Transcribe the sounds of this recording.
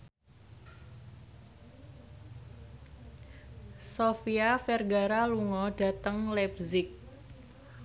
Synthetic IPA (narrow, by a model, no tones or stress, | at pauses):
sofiafɛrɡaɾaluŋɔɖa̤t̪əŋlɛb̚zɪk̚